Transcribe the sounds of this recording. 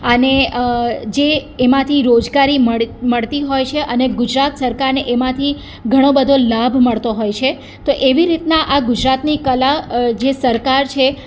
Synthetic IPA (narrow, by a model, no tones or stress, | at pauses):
əne | d͡ʒeːmãt̪ʰiɾod͡ʒɡaɾiməməɭt̪iɦojt͡ʃʰeʔəneɡʊd͡ʒɾat̪səɾkaɾneʔemãt̪ʰi | ɡʱəɽ̃õbəd̪ʱolabʱməɭt̪oɦojt͡ʃʰe | t̪oʔeʋiɾit̪naʔaɡʊd͡ʒɾat̪nikəlad͡ʒesəɾkaɾt͡ʃʰe